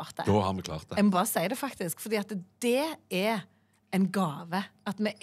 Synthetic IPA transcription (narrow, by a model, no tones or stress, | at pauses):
ɑʁt̪̚d̪ɛ̰oːhɑʁmɛkʰlɑ̰ːʁt̪d̪jɛmɔbɑːʁəsæɪd̪ɛfɑkt̪ɪskfɔʁd̪iːɑt̪d̪̥ɛɛ | æɪnɡɑːʋəɑt̪mɛ